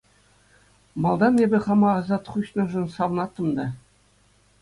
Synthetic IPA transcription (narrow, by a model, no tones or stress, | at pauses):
mɑlˠd̪ɑnebʲɘ̆χɑmɑɑzɑt̪χuɕnɤ̆ʐɤ̆nsɑʋnɑt̪ːɤ̆md̪ɑ